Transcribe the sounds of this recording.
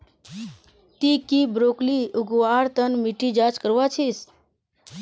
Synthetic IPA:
t̪ikibɾokliuɡwaɾt̪ənmiʈid͡ʒat͡ʃkəɾʋat͡ʃʰis

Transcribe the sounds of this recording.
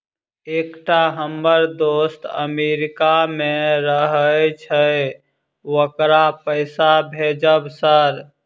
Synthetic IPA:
eːkʈaɦəmːəɾd̪ost̪ə̰meɾɪkamẽɾəɦəjt͡ʃʰə | wəkɾapəɪsabʱed͡ʒəbsəɾ

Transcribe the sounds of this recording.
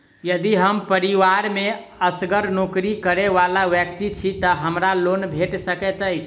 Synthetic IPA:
jəd̪iɦəmpəɾiʋaɾmeəsɡəɾnokɾikəɾeʋalaʋjəkt̪it͡ʃʰit̪əɦəmɾalonbʱeʈsəkɛt̪əjt͡ʃʰ

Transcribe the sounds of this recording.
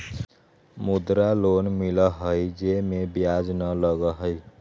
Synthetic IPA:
mud̪ɾalonmiləɦəjd͡ʒemebjad͡ʒnələɡəɦəj

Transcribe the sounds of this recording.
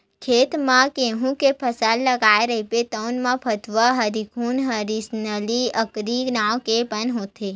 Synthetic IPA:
kʰet̪mãkeɦũkepʰəsalːəɡaeɾəɦipet̪ənmãpʰət̪ʋəɦəɾikʰunɦəɾisnəliəkɾinawkepənɦõt̪ʰe

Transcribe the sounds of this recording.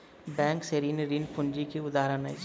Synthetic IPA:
bɛ̃ːŋkseɾiːnɾiːnpʊ̃nd͡ʒikiʊd̪aːɦɾənḛ

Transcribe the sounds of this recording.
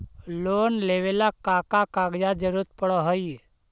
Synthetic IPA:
loːnleːʋelakaːkakaːɡd͡ʒad͡ʒəɾut̪̚pəɽɔɦɔi

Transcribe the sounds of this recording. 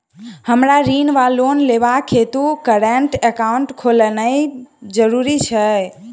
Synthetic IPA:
həmɾaɾinʋalonleβakʰet̪ukəɾeɳʈekauɳʈkʰolənəjd͡ʒəɾuɾit͡ʃʰə

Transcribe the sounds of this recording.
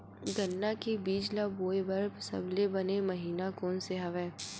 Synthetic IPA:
ɡɐnːakibiːd͡ʒlaboːebɐɾbsɐ̰blebɐnemɐɦiːnakɔːnseɦɐʋɛ̃ː

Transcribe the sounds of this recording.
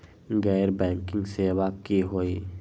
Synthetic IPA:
ɡɛːɾbɛ̃ːŋkɪ̃ŋɡseːʋaːkkiɦoːiː

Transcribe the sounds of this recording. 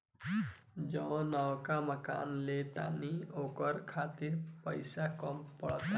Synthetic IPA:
d͡ʒɔ̃w̃nawkaməka̰nlet̪a̰niokəɾkʰat̪iɾpəjsakɔmpɔɭt̪a

